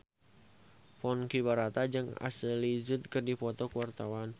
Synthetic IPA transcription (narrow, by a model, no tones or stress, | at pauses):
fɔnkibaɾat̪ad͡ʒɨŋa̰səlizut̪̚kɨrdifɔt̪ɔkuwart̪awan